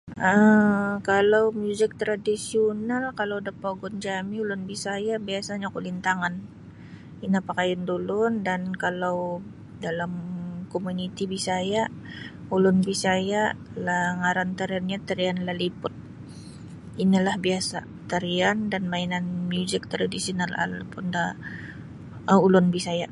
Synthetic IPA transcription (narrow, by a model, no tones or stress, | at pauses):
ʔəkalawmjuzɪk̚t̪ɾadisionalkalawdapaɡɔnd͡ʒamiulʊnbisajabiasaɲakulint̪aŋan | inapakajandulʊndankalaw | dalamkomunit̪ibisaja | ulʊnbisaja | laŋaɾant̪aɾianɲat̪aɾianlalipʊt̪̚ | inilahbiasa̰ | t̪aɾiandanmainanmjuzɪk̚t̪ɾadisionala̰lapʊnda | ulʊnbisaja